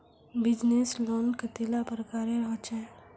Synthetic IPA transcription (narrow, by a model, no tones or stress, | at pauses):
bɪd͡ʒnesloːnkət̪eːlapɾəkaːɾeɾəɦt͡ʃɛː